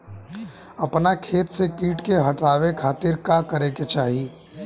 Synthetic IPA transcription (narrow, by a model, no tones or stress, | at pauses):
ɐpnakʰeːt̪sekiːʈkeɦɐʈaːʋekʰaːt̪ɪɾkakɐɾeket͡ʃaːɦie